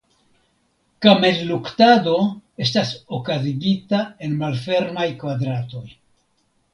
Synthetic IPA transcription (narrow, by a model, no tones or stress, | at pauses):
kamelluktado̞e̞stasokaziɡitae̞nmalfe̞ɾmajkvadɾato̞j